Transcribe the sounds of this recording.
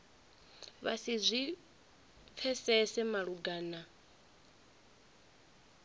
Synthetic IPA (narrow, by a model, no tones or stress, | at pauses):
βa̰sizʷi | p̪fʰɛsɛsɛmaɺuɡaːna